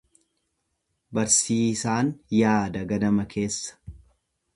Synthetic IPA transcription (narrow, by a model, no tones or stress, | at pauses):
bɐɾsiːsaːnjaːd̪ɐɡɐd̪ɐmɐkʰe̞ːsːɐ̥